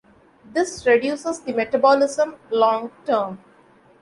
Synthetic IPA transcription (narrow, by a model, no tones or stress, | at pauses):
d̪ɪsɾeɖjuːsəzd̪imeʈəbɔːlɪzə̃mlɔ̃ːŋɡʈəːɾm